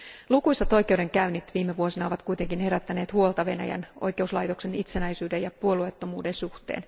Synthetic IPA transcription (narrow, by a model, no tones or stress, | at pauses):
lukujsɑt̪o̞jkeude̞ŋkæynːit̪ʋiːmːeʋuo̞sinɑoʋɑt̪kujt̪eŋkinhe̞ɾæt̪ːæne̞ːt̪huolˠt̪ɑʋe̞næ̰jæ̰nʔo̞̰jke̞uslɑjt̪o̞kse̞nit̪senæjsyːdejɑpuo̞luet̪ːomuːdensuht̪ḛːn